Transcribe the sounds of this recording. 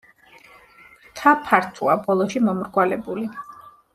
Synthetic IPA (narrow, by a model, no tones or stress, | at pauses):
t̪ʰapʰaɾt̪ʰuabɔlˠɔʃimɔmɾɡwalɛbuli